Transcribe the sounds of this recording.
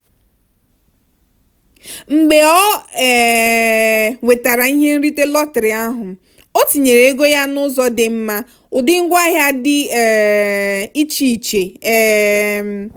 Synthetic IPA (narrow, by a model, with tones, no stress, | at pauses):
ŋ͡m̩˨ɡ͡be˨ɔ˦˨ | we˨ta˨ɾa˨i˦ɦe˦n̩˦ɾi˦te˦lɔ˦tɪ˨ɾɪ˨a˦ɦʊ˨ | o˦ti˨ɲe˨ɾe˨e˦ɡo˦ja˦nʊ˦zɔ˦dɪ˨m̩˦ma˦ | ʊ˨dɪ˦ŋ̩˦ɡʷa˦ɦja˦dɪ˦˨ | i˦t͡ʃi˨i˨t͡ʃe˨